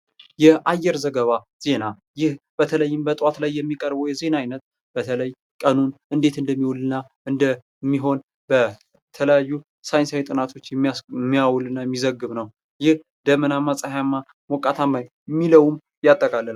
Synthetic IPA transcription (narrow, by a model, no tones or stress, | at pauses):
jɛʔajːɛɾzəɡəβa | z̥e̞na | jɪhb̥ət̪ʰələjːɪmbət̪ʼwat̪lajːɛmːikʼəɾbojɛze̞naajnət̪̚ | b̥ət̪ʰələj | kʼənunɨnd̪e̞t̪ɨnd̪əmːiwɔlɨnːa | ɨnd̪ə | mːiɦo̞n | bə | t̪ʰələjajːu | sajɪnsawt̪ʼɨnat̪ʰo̞t͡ʃːjɛmmːijawlɨnːajɛmːizəɡːɨβnəw | jɪh | d̪̥əmənamːasʼahjamːa | mɔkʼːat̪ʰamaj | mːiləwum | jat̪ʼːəkʼalːəl